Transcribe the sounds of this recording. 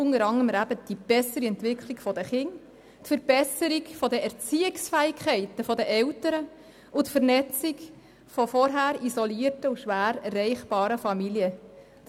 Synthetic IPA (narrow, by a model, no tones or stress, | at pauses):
ʊŋəɾɑŋəmɾæbəd̥ib̥ɛsəɾiɛntʋɪkʰliɡfɔd̥əχɪŋ | tfəɾb̥ɛsəɾikfɔdəʔɛɾt͡siːɪksfæːɪkʰχɛɪtəfɔdəʔɛwtəɾə | ʊtfəɾnɛt͡siɡ | fɔfɔɾɦæːɾizɔliərtəuʃʋæːɾrːɛɪχb̥ɑːɾəfɑmiljə